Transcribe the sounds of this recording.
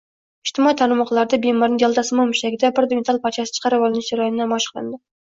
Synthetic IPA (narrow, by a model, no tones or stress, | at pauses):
iʃt̪ɪmɑit̪ʰɑɾnmɑqlˠɑɾd̪ɛbemɑɾnɪŋjɑlˠd̪ɑsɨmɑmyʃɛɡʲɪd̪ɛbɪɾd̪ɪmʲɪt̪ʰɑlˠpʰɑɾt͡ʃʰɑsɨt͡ʃʰə̥qɑɾɨwɑlˠɨnɨt͡ʃɑɾɑjnnɛmɑʃqʰlˠɨ̰nd̪ɪ